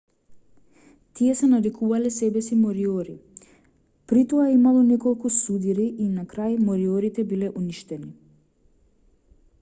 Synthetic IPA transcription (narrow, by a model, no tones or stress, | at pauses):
t̪iɛsɛnaɾikʰuvalɛsɛbɛsimɔɾiɔɾi | pɾit̪ɔaɛimalˠɔnɛkɔlˠkusud̪iɾiʔːnakɾajmɔɾiɔɾit̪ɛbilɛʔuniʃt̪ɛni